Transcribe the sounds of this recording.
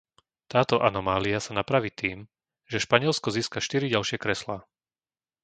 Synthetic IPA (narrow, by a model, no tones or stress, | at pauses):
t̪aːt̪ɔʔanɔmaːliasanapɾaʋiːt̪iːm | ʒɛʃpaɲɪɛlskɔziːskaʃt̪iɾiɟalʃɪɛkɾɛslaː